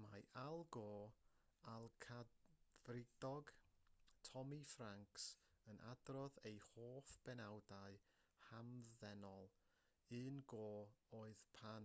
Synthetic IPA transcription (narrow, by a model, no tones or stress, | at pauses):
majʔalˠɡɔ | alˠkʰavrɪdɔɡ | tʰɔmifraŋksənʔa̰drɔðejhoːfb̥ɛnawdaɨ | hamðɛnɔlˠ | ɨːnɡoːoːɨðpʰan